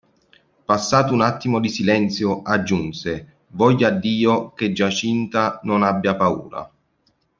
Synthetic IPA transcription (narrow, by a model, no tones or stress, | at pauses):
pasːaːt̪ʊunat̪ːimod̪isilɛnt̪sjʊad͡ʒːunse | vɔʎːad̪ːiːoked͡ʒːat͡ʃint̪anʊnabːjapaṵːɾa̰